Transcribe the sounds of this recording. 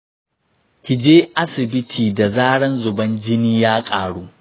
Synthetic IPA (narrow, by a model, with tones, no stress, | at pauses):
kʲɪ˨d͡ʒeː˦ʔa˦sɪ˨bɪ˦tʰiː˨da˨zaː˦ɽɐ˦nzʊ˨bɐ˦nd͡ʒɪ˦niː˦jaː˦kʼaː˨ɽuː˦ʔ